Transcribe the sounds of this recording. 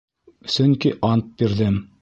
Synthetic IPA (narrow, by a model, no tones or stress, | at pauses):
sɵŋkiʔɑnt̪̚biɾðɘm